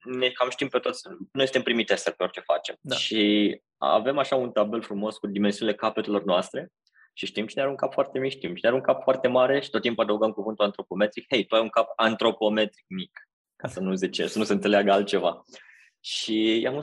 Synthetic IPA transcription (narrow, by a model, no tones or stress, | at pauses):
nekamʃt̪impet̪ot̪sʲnojsɨnt̪empɾimit̪eselpeo̞rʲt͡ʃe̞fa̰t͡ʃe̞mdʃi | a̰ve̞maʃaunt̪abe̞lfɾumo̞skud̪imensiunile̞kapet̪elo̞rnoast̪ɾe̞ | ʃiʃt̪imt͡ʃineaɾuŋkapfoart̪emikʃt̪imt͡ʃinaɾuŋkapfoart̪e̞maɾe̞ʃi̥t̪ot̪̚ːimpad̪əwɡəmkuvɨnt̪uant̪ɾo̞po̞me̞t̪ɾikhe̞jt̪uajuŋkapant̪ɾo̞po̞me̞t̪ɾik̚mik | kasənuzit͡ʃḛsənuseɨnse̞leaɡəalt̪̚t͡ʃe̞va | ʃijam